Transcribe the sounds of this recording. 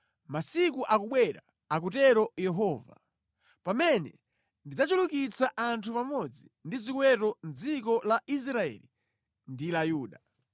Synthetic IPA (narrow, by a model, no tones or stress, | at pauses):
masikuʔakuɓwɛɾa | ak̬utɛɾɔjɛɦɔːva̰ | pamɛnɛ | ndid͡zat͡ʃulukit͡saʔantʰupamɔd͡zindizikwɛtɔnd͡zik̬ɔlaʔis̬ɾaɛ̰ːli | ndilajuːɗa